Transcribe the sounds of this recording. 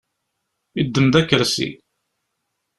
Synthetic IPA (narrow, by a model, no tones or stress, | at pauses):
id̪ːəmðækːəɾsḭ